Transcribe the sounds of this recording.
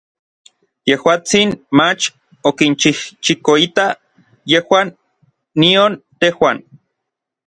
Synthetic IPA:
jehwaːt͡sinmat͡ʃ | okint͡ʃiht͡ʃikoit̪a | jehwaːnː | iont̪ehwaːn

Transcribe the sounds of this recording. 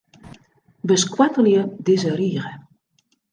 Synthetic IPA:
bəskwatəljədɪzəriːɣə

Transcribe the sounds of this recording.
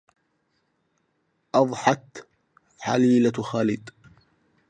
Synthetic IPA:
ʔɑðˤħɑt̪ | ħa̰liːlaxaːlɪd̪

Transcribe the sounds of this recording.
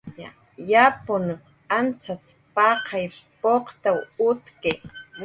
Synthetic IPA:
ja̰ | japʊnʊ | ant͡sʰat͡s | pɑqʰɑjpoqt̪awʊt̪ke

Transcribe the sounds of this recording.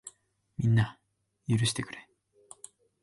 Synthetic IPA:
minːa | juɾɯɕi̥t̪ekɯɾe

